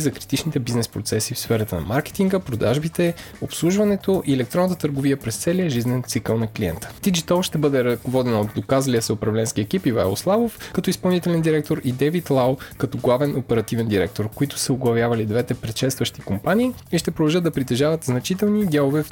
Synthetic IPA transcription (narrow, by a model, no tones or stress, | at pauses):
zɐkɾit̪it͡ʃnit̪ɛbiznɛspɾot̪sɛsifsfɛɾɐt̪ənɐ̰maɾkɛ̥t̪iŋɡəpɾod̪aʒbit̪ɛ | opslˠuʒvɐnɛt̪oʔiɛlɛk̚t̪ɾɔnət̪ət̪əɾɡoviəpɾɛst̪sɛliəʒiznɛnt̪sikəlˠnɐkliɛ̰nt̪ə̥d̪id͡ʒit̪ɔlˠʃt̪ɛbɤd̪ɛɾɐkovɔd̪ɛnot̪d̪okazliəsɛʊpɾɐvlɛnskiɛkipiva̰ɛ̰lˠslˠavofkɐt̪ɔispɐlˠnit̪ɛlɛnd̪iɾɛk̚t̪oɾid̪ɛvit̪lˠawkɐt̪ɔɡlˠavɛnopɛɾɐt̪ivɛnd̪iɾɛ̰k̚t̪oɾkoit̪ʊ̥səoɡlˠɐvjavɐlid̪vɛt̪ɛpɾɛt̪ʃɛt̪st̪vɐʃt̪ikompanʲiːiʃt̪ɛpɾod̪ɐlˠʒɤt̪d̪ɐpɾit̪ɛʒavɐt̪znɐt͡ʃit̪ɛlˠnid̪ʲalˠovɛf